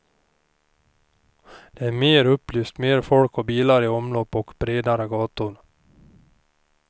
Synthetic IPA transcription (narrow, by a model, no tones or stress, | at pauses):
d̪̥ɛæɾmeːɾɵpːlyːst̪meːɾfɔlkɔbiːlaɾɪɔmlɔpːɔkbɾeːd̪aɾəɡɑːt̪ʊn